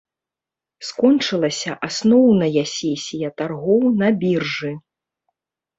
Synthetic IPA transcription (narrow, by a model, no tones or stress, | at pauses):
skɔnt͡ʂɨlˠɐsʲɐʔasnɔwnɐjɐsʲɛsʲijɐt̪arɣɔwnɐbʲirʐɨ